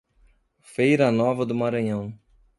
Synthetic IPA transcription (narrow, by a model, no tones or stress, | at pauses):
fejɾɐnɔvɐd̪ʊmaɾɐ̃ɲɐ̃w̃